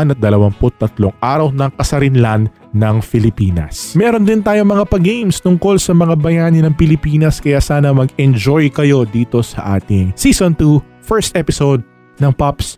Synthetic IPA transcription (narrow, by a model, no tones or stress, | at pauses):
nɐt̪̚d̪ɐlɐwaŋpʊt̪ːɐt̪loŋʔaːɾɐwnɐŋkɐsɐɾɪnlanː | ɐŋfɪlɪpiːnɐ̰smɛːɾond̪ɪnt̪aːjoŋmɐŋapɐɡejmst̪ʊŋko̞lsɐmɐŋabɐjaːnɪnɐŋpɪlɪpiːnɐskɐjaːsaːnɐmɐɡɛnd͡ʒojkɐjo̞d̪iːt̪o̞sɐ̰ʔa̰ːt̪ɪŋsiːsont̪u | fɛɹst̪ɛpɪsowd̪̚ | nɐŋpɐps